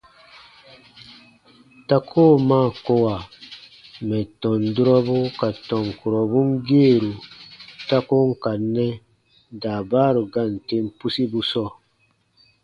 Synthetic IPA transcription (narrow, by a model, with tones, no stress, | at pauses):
ta˦kʰoː˦˨maː˦˨ko˦wa˨ | mɛ˨tɔ̃˨ndu˦ɾɔ˦bu˦ka˨tɔ˨ŋku˨ɾɔ˨bu˦ŋ˦ɡeː˦˨ɾu˨ta˦ko˦ŋ˦ka˨nːɛ˦ | da˨baː˦ɾu˨ɡa˦˨n˨te˦m˦pu˦si˦bu˦sɔ˦˨